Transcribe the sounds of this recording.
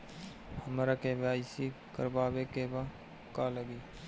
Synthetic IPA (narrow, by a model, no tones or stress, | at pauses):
həmɾakebaːɪsi | kəɾbaːbekeba | kaːləɡiː